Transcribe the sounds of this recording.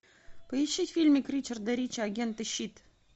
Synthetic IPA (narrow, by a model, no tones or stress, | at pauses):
pəiɕːitʲfʲilʲmʲikʲrʲit͡ɕərd̪ɐɾʲit͡ɕaɡʲent̪ɨɕːit̪